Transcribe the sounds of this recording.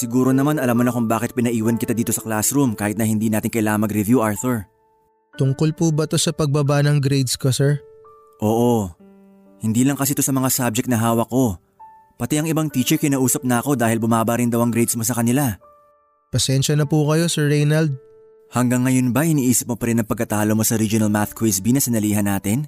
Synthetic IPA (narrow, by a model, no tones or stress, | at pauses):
sɪɡuːɾonɐmanɐlamːonɐkʊŋbaːkɪt̪̚pɪnɐʔiːwɐnkɪt̪ad̪iːt̪o̞sɐklasɾumkaːhɪt̪nɐhɪnd̪iːnaːt̪ɪŋkɐjlaːŋɐnmɐɡɾɪvjuʔaɹt̪uɹ | t̪ʊŋko̞lpubɐt̪o̞sɐpɐɡ̚babanɐŋɡɾejd̪skosɛɹ | ʔo̞ːʔo | hɪnd̪iːlɐŋkɐsit̪o̞sɐmɐŋasab̚d͡ʒɛkt̪nɐɦaːwɐkːo̞ | pɐt̪ɛʔɐŋɪbaŋt̪iːt͡ʃɛɹkɪnaːʔuːsɐp̚nɐɐko̞d̪aːhɪlbʊmaːbɐɾɪnd̪ɐwɐŋɡɾɛjd̪smo̞s̬ɐkɐnɪla | pɐsɛnʃɐnɐpukɐjo̞sɛɹːɛjnɐld̪̚ | hɐŋɡɐŋːɐjo̞nbɐʔɪniːʔiːsɪp̚mopɐɾɪnɐŋpɐɡ̚kːɐt̪aːlomo̞sɐɾid͡ʒʊnɐlmaθkwisbinɐsɪnɐliːɦɐnaːt̪ɪn